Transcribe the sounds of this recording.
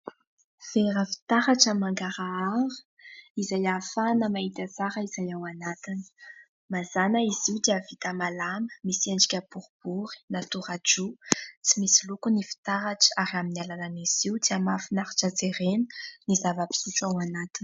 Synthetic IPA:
v̥eɾəfi̥t̪aɾaʈ͡ʂamaŋɡaɾaaɾu̥ | izajafanəmaɦit̪at͡saɾəizajawanat̪inə̥ | mazanəiziud̪eavit̪amalamə̥miseɳɖ͡ʐikʲəb̥uɾb̥uɾi̥nat̪uɾaʈ͡ʂut͡simisilukunifi̥t̪aɾaʈ͡ʂaɾiaminialananiz̥iud̪iamafinaɾḁʈ͡ʂəd͡zeɾenə̥nizavəpi̥suʈ͡ʂawanat̪inə̥

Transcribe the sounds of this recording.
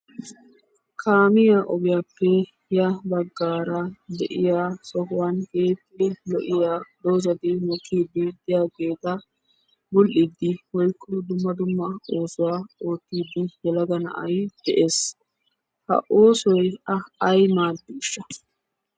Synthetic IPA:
kʰaːmɪjaʔɔbɪjaːpːɛ | jɐbɐɡːaːɾɐd̪ɛ̰ʔɪjaːsɔkʊwanke̞ːt̪ːɪdɛlɔʔɪjaːd̪oːzɐd̪ɪmɔkʰːiːd̪ːɪd̪ɪjaːɡeːt̪ɐ | bʊlʔid̪ːɪwɔjkʼːʊd̪ʊmːɐd̪ʊmːɐo̞ːsʊwaːo̞ːt̪ːiːd̪ːɪjɛlɐɡɐnɐ̰ʔɐ̰jd̪̥ɛʔe̞ːs | hɐ̰ʔo̞ːsɔjɐɐjmaːd̪ːɪɪʃːɐ

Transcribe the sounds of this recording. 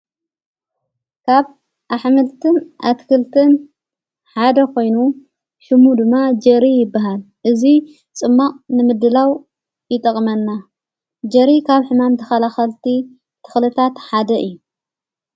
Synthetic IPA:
kʰaβ | ʔaħmɨlt̪ʰɨnʔa̰t̪kʰɨlt̪ʰɨn | ħad̪ɐkʰo̞jnu | ʃɨmud̪ɨmːad͡ʒɐɾijɪbːaɦal | ʔɨzi | t͡sʼɨmːaqʼnɨmɨd̪ɨlaw | jɪt̪ʼɐkʼmɐnːa | d͡ʒɐɾikʰaβħɨmamt̪ʰɨxɐlaxɐlt̪ʰi | t̪ʰɨ̥xlɨt̪ʰat̪ħad̪ɐʔɨ̰jːu

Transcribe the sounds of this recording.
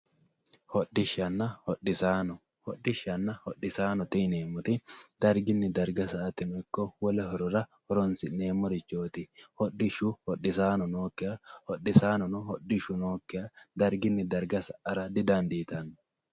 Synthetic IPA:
hɔɗːɪʃːɐnːɐhɔɗɪsaːnɔ | hɔɗːɪʃːɐnːɐhɔɗːɪsaːnɔt̪ʼɪneːmːɔt̪ɪd̪̥ɐɾɡɪnːɪd̪ɐɾɡɐsɐʔɐt̪ɪnʊɪkːɔwɔlɛɦɔɾɔɾɐhɔɾɔnsɪne̞ːmːɔɾɪt͡ʃːo̞ːt̪ɪhɔɗːɪʃʊhɔɗːɪsaːnɔno̞ːkːɪjɐhɔɗːɪsaːnɔnɔɦɔɗːɪʃʊno̞ːkːɪjɐd̪ɐɾɡɪnːɪd̪ɐɾɡɐsɐʔɐɾɐd̪ɪd̪ɐnd̪iːt̪ɐnːɔ

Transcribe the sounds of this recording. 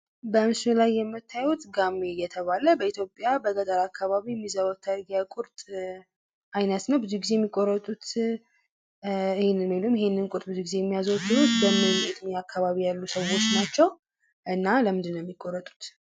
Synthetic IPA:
bəɨmsulajːɛmːɨt̪ʰːajut̪ɡamːejɛt̪ʰəβaləbəit̪ʰjo̞pʼjabəɡəd̪aɾakʰːaβaβijɛmːizəβawt̪ʰːaɾɡjakʼʊɾt̪ʼ | ʔajnət̪nəwbɨzuɡizejɛmːikʼːoɾːət̪ʼut̪ | ɨhenːɨnmilumjɛhenːɨnkʼʊɾt̪ʼbɨzuɡize̞jɛmːijazəwt̪ːɨut̪bəmɨet̪ʰmjakʰːaβaβijalːusəwo̞t͡ʃːnat͡ʃːɛw | ʔɨnːaləmɨnd̪ɨnːowjɛmːikʼːoɾːət̪ʼu̥t̪

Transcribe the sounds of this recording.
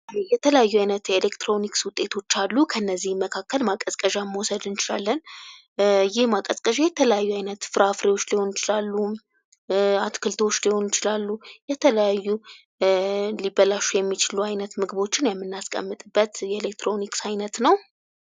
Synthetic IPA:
jɛt̪ʰələjajːuajnət̪jelekt̪ɾo̞nikswʊt̪ʼːe̞t̪ʰo̞t͡ʃːalːukʰəɨnːəzːihməkʰakːəlmakʼəzkʼəʒamwɔsəd̪ɨnt͡ʃɪla̰lːən | jɪhmakʼəzkʼəʒejɛt̪ʰələjajːuajnət̪fɨɾafɾiwo̞t͡ʃːliho̞njɪt͡ʃɪlalːu | at̪kʰɨlt̪ʰwo̞t͡ʃːliho̞njɪt͡ʃɪlalːujɛt̪ʰələjajːu | libəlaʃːujɛmːit͡ʃɪluajnət̪mɨɡɨβo̞t͡ʃːɪnjɛmːɨnːaskʼə̰mːɨt̪ʼɨbːət̪jɛelek̚t̪ɾo̞niksajnət̪nəw

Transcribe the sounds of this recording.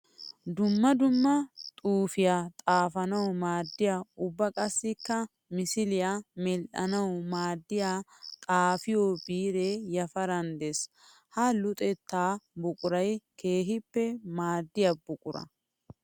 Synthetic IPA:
d̪ʊmːɐd̪ʊmːɐt̪ʼuːfɪjaːt̪ʼaːfɐnɐwmaːd̪ːɪjaːʊbːɐkʼɐsːɪkːɐ | mɪsɪlɪjaːmɛlʔɐnɐwmaːd̪ːɪjaːt̪ʼaːfɪjobiːɾejɐfɐɾɐnd̪es | hɐlʊt̪ʼɛt̪ːaːbʊkʼʊɾɐjkʰe̞ːɦɪpːɛmaːd̪ːɪjabʊkʼʊɾɐ̰

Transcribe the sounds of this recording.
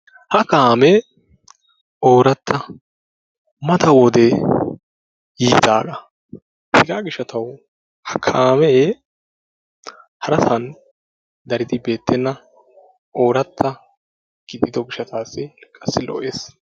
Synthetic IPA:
hɐkaːmɛ | oːɾɐt̪ʰːɐ | mɐt̪ʰɐwɔd̪ɛ | jiːt̪aːɡɐ | hɪɡaːɡɪʃɐt̪ʰɐw | hɐkʰaːmɛ | hɐɾɐsɐn | d̪ɐɾɪd̪ɪbe̞ːt̪ːɛnːɐ | ʔo̞ːɾɐt̪ʰːɐ | ɡ̥ɪd̪ɪd̪ɔɡɪʃɐt̪ʰaːsːɪkʼɐsːɪlɔ̰ʔeːs

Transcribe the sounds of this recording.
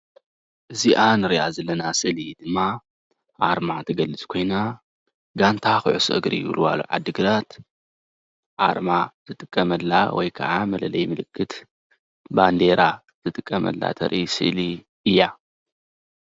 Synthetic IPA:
ʔɨziʔanɨɾjazɐlːɐnasɨlid̪̥ɨmːa | ʕaɾmat̪ʰɐɡɐlːɨt͡sʼkʰo̞jna | ɡant̪ʰaxɨʕʊsʔɨɡɾḭjɪ̰βlwa̰lṵʕa̰d̪ːɨɡɨlat̪ | ʕaɾmazɨt̪ʼɨkʼːɐmɐlːawɔjkʰɐ̰ʕamɐlɐlɐjmɨlɨkːɨt̪ | band̪e̞ɾa | zɨt̪ʼɨkʼːɐmɐ̰lːa̰t̪ʰɐ̰ɾʔisɨ̰li | ɨjːa

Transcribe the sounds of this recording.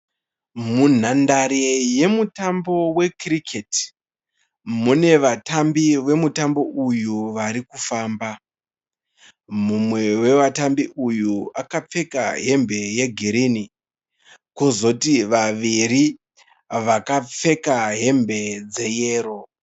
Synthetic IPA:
mun̤andaɾeje̞mutambo̞we̞krikʰet | mune̞ʋatambiʋe̞mutambo̞ʔujuʋaɾikufaːmba | mumwe̞we̞ʋatambiʔujuakap͡fe̞kaɦe̞mbe̞je̞ɡʱiɾini | kozo̞tiʋaʋiɾi | ʋakap͡fe̞kaɦe̞mbe̞d͡ze̞je̞ːɾo̞

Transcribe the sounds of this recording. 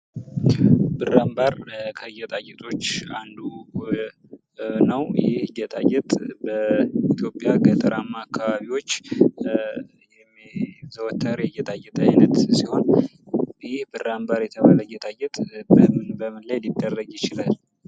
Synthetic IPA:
bɨrambaɾkʰəjɛt̪ʼajɛt̪ʼo̞t͡ʃːand̪u | nəwjɪhjɛt̪ʼajːɛt̪ʼbəit̪ʰjo̞pʼːjaɡət̪ʼəɾʔamːaːkʰːaβaβiwo̞t͡ʃː | jɛmzəwɔt̪ʰːaɾejɛt̪ʼajɛt̪ʼəajnət̪siho̞n | jɪhbɨrambaɾjɛt̪ʰəβaləjɛt̪ʼajɛt̪ʼbəmɨnbəmɨnlajlid̪ːərːəɡjɪt͡ʃɪlal

